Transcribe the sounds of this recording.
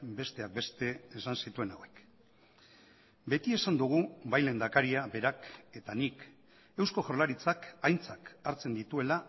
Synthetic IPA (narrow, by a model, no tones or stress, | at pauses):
be̞st̪e̞ak̚be̞st̪e̞ːsansit̪ue̞nawe̞k | be̞t̪ie̞sand̪uɣ̞ubajle̞nd̪akaɾiabe̞ɾake̞t̪anik | e̞wsko̞ʝoɾlaɾit͡sakajnt͡sakaɾt͡se̞nd̪it̪ue̞la